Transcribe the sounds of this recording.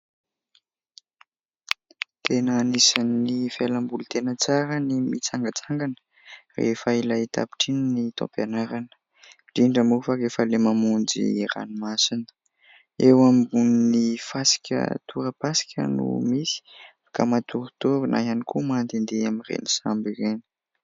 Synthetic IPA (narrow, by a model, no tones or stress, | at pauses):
t̪enaːnisanːifelambulut̪enət͡saɾənimit͡saŋɡat͡saŋɡanə̥ | rḛfəilait̪a̰pi̥ʈ͡ʂininit̪ɔ̰̃panaɾanə̥ | ɖ͡ʐiɳɖ͡ʐəmufəɾefəlemamund͡zḭra̰nimasinə̥ | ewambuninifasi̥kʲə̰t̪ʰuɾəpasi̥kʲʰə̰nṵmisi̥ | ka̰mat̪uɾut̪ovinʔa̰janikumand̪end̪eamirḛnisambireni̥